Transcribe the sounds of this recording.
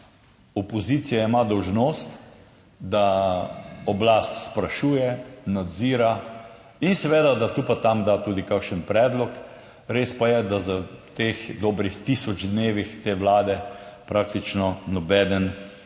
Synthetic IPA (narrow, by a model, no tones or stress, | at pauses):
ɔpɔziːt̪sijaimad̪ɔwʒnoːst̪ | d̪a | ɔblast̪spɾaʃuːjɛnad̪ziːɾa | insɛʋeːd̪ad̪at̪upat̪amd̪at̪uːd̪ikakʃənpɾɛːd̪lɔk | ɾeːspajɛd̪azət̪eːxd̪ɔːbɾixt̪isɔd͡ʒd̪neːʋixt̪eːʋlaːd̪ɛpɾak̚t̪it͡ʃnɔnɔbɛːd̪ən